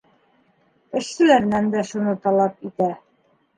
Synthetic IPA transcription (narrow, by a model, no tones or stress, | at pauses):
ɘ̆ʃsɘ̆læɾnænd̪æʃunɤt̪ɑlˠɑp̚it̪æ